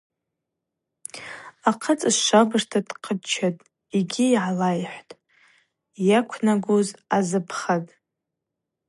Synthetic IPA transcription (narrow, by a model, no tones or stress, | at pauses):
aqʰat͡sʼɨsʃabɨrtʰadqʰət͡ʃʰatʼ | iɡʲijʕalajħʷtʼ | jakʷʰnaɡozazɨpʰχatʼ